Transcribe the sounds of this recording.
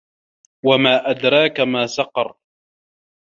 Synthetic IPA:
wamaːʔad̪ɾˤɑːkamaːsɑqɑ̰ɾˤ

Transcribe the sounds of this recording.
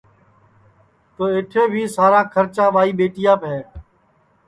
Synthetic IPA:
t̪oːɪʈʰeːbʱiːsaːɾãːkʰəɾt͡ʃãːʋaːiːɓeːʈɪjãːpɛː

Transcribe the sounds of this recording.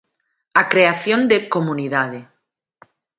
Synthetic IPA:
akɾeaθjond̪ekomuniðað̞e

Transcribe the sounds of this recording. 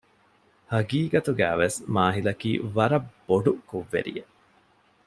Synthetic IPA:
hɐɡiːɡɐt̪uɡæ̰ːʋesmaːɦilɐkḭːʋɐɾɐbb̥ːoɖukuʋːḛɾḭje

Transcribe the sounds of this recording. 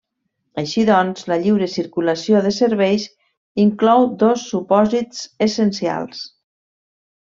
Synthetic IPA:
əʃiðɔnzləʎiwɾəsiɾkuləsioðəsəɾβɛjz | iŋklɔwd̪osːupɔzit͡sesənsia̰lˠs

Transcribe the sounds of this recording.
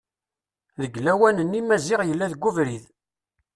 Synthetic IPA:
ðəɡlæwænənːimæzɪʁjəlːæðɡːuvɾið

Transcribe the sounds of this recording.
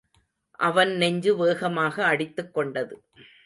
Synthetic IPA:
ʔɐʋɐnnɛɲd͡ʒɯʋeːɣɐmaːɣɐːɽɪt̪ːɯkːɔɳɖɐðɯ

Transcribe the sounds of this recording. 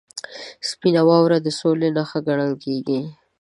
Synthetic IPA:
spinawɑwɾad̪əsolenaxaɡaɽ̃əlkeɡi

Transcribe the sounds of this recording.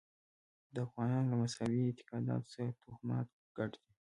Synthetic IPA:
d̪əafɣɑnɑnlamasɑwiɪt̪ɪ̥qɑd̪ɑ̰t̪o̥saɾat̪ʰuxmɑ̰t̪̚ | ɡ̥aʈd̪̥i

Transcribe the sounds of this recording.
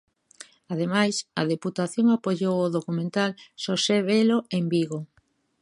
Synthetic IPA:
að̞emajsɐðeput̪aθjoŋapoʎowoðokumẽnt̪alʃoseβeloembiɣo

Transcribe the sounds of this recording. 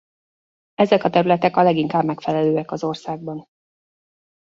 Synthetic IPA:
ɛzɛkɒt̪ɛɾylɛt̪ɛkɒlɛɡiŋkaːbmɛkfɛlɛløːɛkɒzo̞rsaːɡ̚bɒn

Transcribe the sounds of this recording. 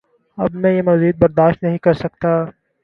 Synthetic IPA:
ɐbmɛ̃jemɐziːd̪̚bɐɾd̪aːʃt̪nɐɦĩkɐɾsɐk̚t̪aː

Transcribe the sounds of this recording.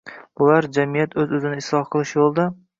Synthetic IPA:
bʊlaɾd͡ʒamijat̪ʰɵzɵzɪnɪɪslˠɒhqʰɨlˠɪʃjolˠd̪a

